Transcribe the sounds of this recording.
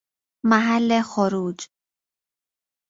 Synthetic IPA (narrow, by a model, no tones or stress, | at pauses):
mæɦælːexoɾuːd͡ʒ